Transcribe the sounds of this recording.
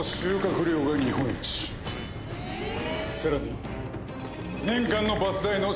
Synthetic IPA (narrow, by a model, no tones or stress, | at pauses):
oɕɨːkakɯ̟ɾʲo̞ːɡaɲ̟iɦõ̞ɲːit͡ɕi̥ | saɾaɲʲi | nẽ̞ŋkãnːo̞basɨzaino̞